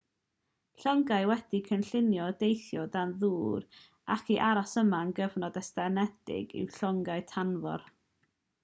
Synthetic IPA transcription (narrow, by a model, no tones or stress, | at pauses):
ɬɔŋɡaɨwɛd̥ikʰənɬɪnjɔdejθjɔdanðuːɾ | a̰kʰiʔaɾasəmaənɡəvnɔdɛstɛnɛd̥ɪ̰ɡɪ̰wɬɔŋɡaɨtʰanvɔ̰r